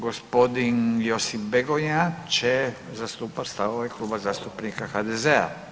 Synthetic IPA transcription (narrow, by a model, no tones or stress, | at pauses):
ɡospo̞d̪injosifbeɡojat͡ʃe | zast̪uːpatst̪aoʋeklˠuːbazaːst̪upnikaxad̪ezea̰